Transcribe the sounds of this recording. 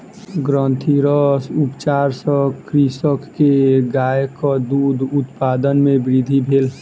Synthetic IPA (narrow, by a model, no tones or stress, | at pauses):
ɡɾə̃nt̪ʰiɾəsupt͡ʃaɾsə̃kɾisəkːeɡajkɔd̪ud̪ʱut̪pad̪ənmebɾid̪ʱibʱeːl